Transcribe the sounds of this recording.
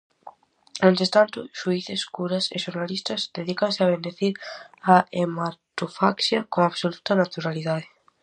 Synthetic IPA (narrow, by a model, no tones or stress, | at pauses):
ẽnt̪est̪ant̪ʊʃuiθeskuɾɐsḛʃoɾnalist̪ɐzd̪eðikɐnsɪaβend̪eθiɾaemat̪ofa̰ksjɐkoŋaβsolut̪ɐnat̪uɾaliðaðɪ